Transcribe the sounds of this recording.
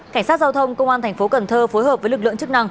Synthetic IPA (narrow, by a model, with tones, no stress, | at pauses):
ka˧˩ŋ̟saː˦˥t̚zaː˧wt̪ʰə˧wŋ͡mkə˧wŋ͡mʔaː˧nt̪ʰɛ˨˩ŋ̟fo˨˦kə˨˩nt̪ʰəː˧fo˨˦jɦəː˨˩p̚vəː˨˦lɨ˨˩k̚ɨ̰˧˨əŋt͡ɕɨ˦˥k̚na˧ŋ